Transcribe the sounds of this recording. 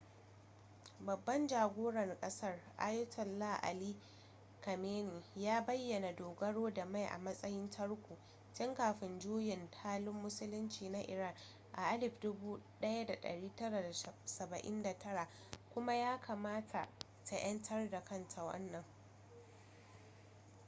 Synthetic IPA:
bɐ˨bːɐ˦nd͡ʒaː˨ɡʷoː˦ɽɐ˨rkʼɐ˦sɐ˦˨rʔa̰˦jʊ˦tʰɐ˨nːaː˦˨ʔa̰˨liː˦ | kɐ˨meː˦ni˨jaː˦bɐ˦jːɐ˨na˨doː˨ɡɐ˦ɽoː˦da˨ma˦˨jʔa̰˨mɐ˦sʼɐ˦jɪ˦ntʰɐ˦ɽkʷuː˨ | tɪ˦ŋkaː˨ɸɪ˨nd͡ʒuː˦jɪ˨ntʰaː˦lʊ˦mːʊ˦sʊ˦lʊ˦nt͡ʃiː˨na˦ʔɪ̰˨ɾa˦˨n | ʔa̰˨ʔa˦lɪ˨ɸdʊ˦buː˦ɗɐ˦ja˦da˨ɗɐ̰˨ɽiː˦tɐ˦ɽa˨da˨sɐ˨bɐ˨ʔɪ̰˦nda˨tɐ˦ɾa˨ | kʷʊ˦ma˦jaː˦kʰaː˨maː˦tʰa̰˨ | tʰa˨j̰ɐ˦ntʰɐ˦rda˨kɐ˦ntʰa˨wɐ̰˦nːɐ˨ŋ

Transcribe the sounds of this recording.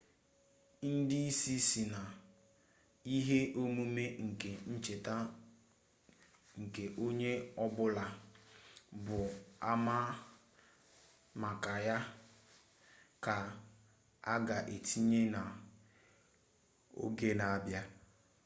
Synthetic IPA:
n̩˦dɪ˦i˦si˦si˨na˨ | i˦ɦe˦ʔo˦mu˦me˦ŋ̩˨ke˨n̩˦t͡ʃe˨ta˦ | ŋ̩˨ke˨ʔo˦ɲe˦ɔ˦bʊ˦la˨ | bʊ˨a˦ma˦ | ma˨ka˨ja˦ | ka˨ | a̰˦ɡa˨ʔe˨tʰi˦ɲe˦na˨ | o̰˦ɡe˦na˨a˦˨bja˦

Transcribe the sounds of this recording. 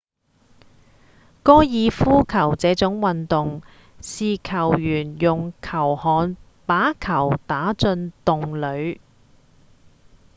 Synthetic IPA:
kɔː˥jiː˨˧fuː˥kʰɐ˨˩wt͡sɛː˨˥t͡sʊ˨˥ŋwɐ˨nt̪ʊ˨ŋ | siː˨˧kʰɐ˨˩wjyː˨˩njʊ˨ŋkʰɐ˨˩whɔː˨n | paː˨˥kʰɐ˨˩wt̪aː˨˥t͡sɵ˧nt̪ʊ˨ŋlɵ˨˧ɥ

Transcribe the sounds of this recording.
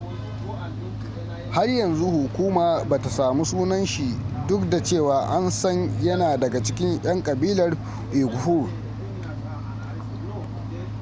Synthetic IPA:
ha˦rjɐ˨nzu˦hʊ˨kʷuː˦maː˨baː˨ta˨saː˨mu˦suː˦nɐ˦nʃi˨dʊ˦kda˨t͡ʃeː˦˨waː˨ʔa˦nsɐ˦ɲjɐ˦naː˨dɐ˨ɡa˨t͡ʃɪ˦kʲɪ˦ɲʔɐ˦ŋkʼɐ˨biː˦lɐ˨r | ʔe˨ɡʷʊ˨hu˦˨

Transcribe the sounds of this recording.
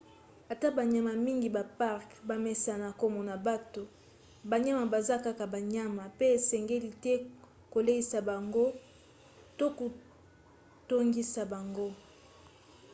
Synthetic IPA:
a˨ta˦ba˨ɲa˨ma˨mi˦ŋɡi˨ba˨pa˦ʁkba˨mɛ˨sa˨na˨ko˦mo˨na˨ba˦to˨ | ba˨ɲa˦ma˨ba˨za˦ka˦ka˨ba˨ɲa˦ma˨pe˦e˨sɛ˨ŋɡe˦li˨tɛ˦ | ko˨le˦i˦sa˨ba˨ŋɡo˦ | to˦ko˨ | to˦ŋɡi˦sa˨ba˨ŋɡo˦

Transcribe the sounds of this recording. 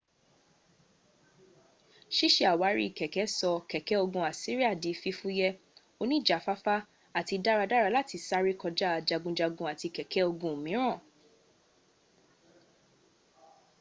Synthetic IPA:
ʃi˦ʃe˦a˨wa˨˦ɾḭ˦i˦˨kɛ˨kɛ˨˦sɔ˧kɛ˨kɛ˨˦o˧ɡũ˧a˨si˦ɾi˦a˦˨di˨˦fi˧fu˦jɛ˦ | o˧nĩ˦˨d͡ʒa˨fa˦fa˦ | a˦˨ti˧da˦ɾa˧da˦ɾa˧la˦ti˧sa˦ɾi˦kɔ˧d͡ʒa˦˨˧d͡ʒa˧ɡũ˧d͡ʒa˧ɡũ˧a˨ti˧kɛ˨kʰɛ˨˦o˧ɡũ˧˨mĩ˨˦ɾ̃ã˦˨

